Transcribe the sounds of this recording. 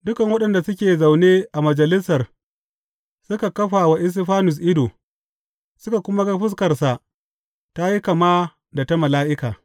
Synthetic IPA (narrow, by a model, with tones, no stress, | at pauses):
dʊ˦kɐ˨ŋwɐ˦ɗɐ˨nda˨sʊ˦kʲeː˨za˨wneː˦ʔa˨mɐ˨d͡ʒɐ˨lɪ˦sɐ˨r | sʊ˦ka˨kɐ˦ɸaː˨wa˦ʔɪ˦s̬ɪ˦ɸaː˦nʊ˨s̬ʔɪ˦do˨ | sʊ˦ka˨kʷʊ˦ma˦ɡa˦ɸɪ˦s̬kɐ˨rsa˨ʔ | ta˦ji˦kɐ˨maː˦ | da˨ta˦mɐ˨laː˦ʔɪ˦kaː˨